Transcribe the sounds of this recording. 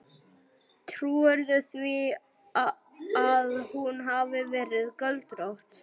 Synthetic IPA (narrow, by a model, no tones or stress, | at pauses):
t̪ʰɾuːɛɾðʏθvi | aðhunɦavɪvɛːɾɪðkœlt̪ɾowht̪